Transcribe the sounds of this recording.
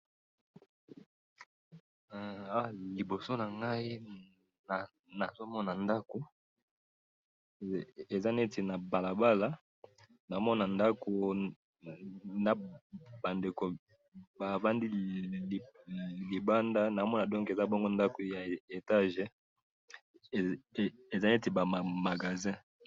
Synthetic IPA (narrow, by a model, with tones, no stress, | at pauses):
a˦wa˦˨li˨bo˨so˦na˨ŋɡa˦i˦ | na˨ | na˨zo˦mɔ˦na˨nda˦ko˨ | e˨za˦ne˦te˨na˨ba˨la˨ba˦la˨ | na˨˦mɔ˦na˨nda˦ko˨ | na˨ba˨nde˨ko˨ | ba˨va˦ndi˦˨ | li˨ba˦nda˦na˨˦mɔ˦na˨dɔ̃˦ŋke˨za˦bɔ˦ŋɡo˦nda˦ko˨ja˨e˨ta˦ʒe˨ | e˨za˦ne˦te˨ba˨ma˨ma˨ɡa˨zɛ̃˦